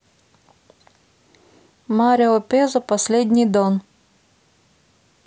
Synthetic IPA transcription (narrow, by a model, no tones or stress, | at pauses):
mɑɾʲɛɔpʲɛzɐpɐsʲlʲɛd̪ʲnʲijd̪ɔn